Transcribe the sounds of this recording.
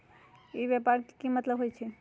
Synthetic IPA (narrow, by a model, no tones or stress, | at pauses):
ibjɛpaɾkimət̪ləbɦojt͡ʃʰɛ